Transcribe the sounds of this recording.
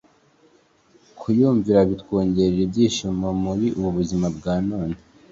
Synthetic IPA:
kʰujuːɱviɾaβitwoːɲɟeɾeɾibɟiːʃumomuɾiʔuβuβuzimabɡaːnoːne

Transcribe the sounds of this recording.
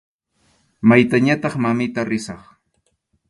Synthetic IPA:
majt̪aɲat̪ɑχmamɪt̪aɾɪsɑχ

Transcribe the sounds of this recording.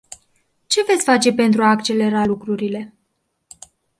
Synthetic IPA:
t͡ʃe̞ve̞t̪sʲfat͡ʃe̞pe̞nt̪ɾuaːkt͡ʃe̞le̞ɾalukɾuɾile̞

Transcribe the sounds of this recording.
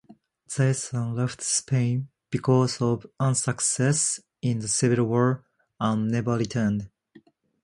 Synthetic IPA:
z̥eɪsə̃nlɛftspʰẽɪ̃n | b̥ikʰɔzɔvʌ̃nsəksɛs | ĩnðəsɪviɾwɔɹ | ãnnɛvə˞litʰɜ˞nd

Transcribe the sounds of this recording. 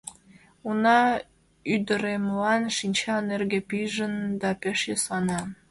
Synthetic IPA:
unɑ | yd̪əɾemlɑnʃinʲt͡ɕɑnerɣepiʒənd̪ɑpeʃesɑnɑ

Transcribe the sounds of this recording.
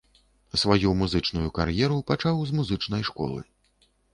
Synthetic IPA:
svajumuzɨt͡ʂnujukarjɛɾupat͡ʂawzmuzɨt͡ʂn̪ɐjʂkɔ̰lˠɨ̰

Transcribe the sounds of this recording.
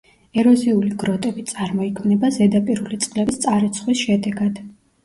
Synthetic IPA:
ɛɾɔziuliɡɾɔt̪ʼɛbit̪sʼaɾmɔikʰmnɛbazɛd̪apʼiɾulit̪sʼqʼlɛist̪sʼaɾit̪sʰχwisʃɛd̪ɛɡad̪̥

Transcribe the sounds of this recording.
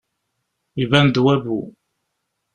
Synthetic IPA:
ivænd̪wævu

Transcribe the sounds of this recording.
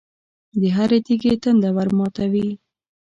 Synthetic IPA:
d̪əɦaɾet̪iɡet̪ənd̪awaɾmɑt̪awi

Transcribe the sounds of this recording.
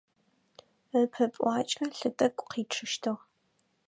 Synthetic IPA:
əpʰɐpʼʷɑːt͡ʃʼɐɬɨtʼɐkʷʼqiːʈ͡ʂʰɨʃtʰɨʁ

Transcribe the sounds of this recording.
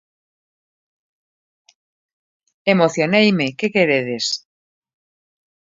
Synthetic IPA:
emoθjonejmekekeɾeðes

